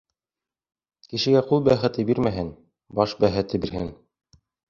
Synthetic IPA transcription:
kiʃɘ̆ɡæqulˠbæχɘ̆t̪ɘbiɾmæɦɘn | bɑʃbæχɘ̆t̪ɘbiɾhɘn

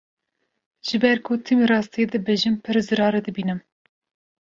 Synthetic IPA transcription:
ʒ̥ɨbɛɾkʰʊt̪ʰɨmiɾɑːst̪ʰied̪ɨbɨʒɨmpʰɨɾzɨɾɑːɾɨd̪ɨbiːnɨm

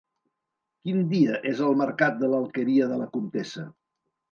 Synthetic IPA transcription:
kind̪iəʔezəlˠməɾkat̪̚d̪ələlˠkəɾiəðələkunt̪esə

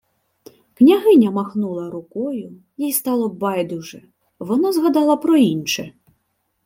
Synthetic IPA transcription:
knʲaɦɪnʲɐmaxnulˠɐɾʊkɔjʊ | jijst̪ɑlˠɔbɑjd̪uʐɛ | ʋɔnazɣad̪ɑlˠɐpɾɔinʃɛ

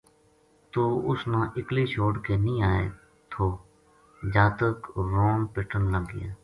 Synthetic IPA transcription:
t̪oːʊsnãːʔɪklit͡ʃoːɽkenĩːaːḛ | t̪ʰoː | d͡ʒaːt̪əkɾoːnpɪʈʰənləɡ̰jeː

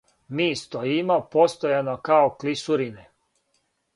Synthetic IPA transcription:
miːst̪oimopo̞st̪ojanokaoklisuɾine

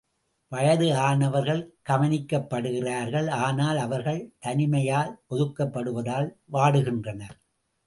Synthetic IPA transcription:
ʋɐjɐðɯaːnɐʋɐɾɣɐɭɡ̥ɐmɐnɪkːɐpːɐɽɯɣɪraːɾɣɐɭaːnaːlɐʋɐɾɣɐɭt̪ɐnɪmɐjaːlpɔðɯkːɐpːɐɽɯʋɐðaːlʋaːɽɯɣɪndrɐnɐ

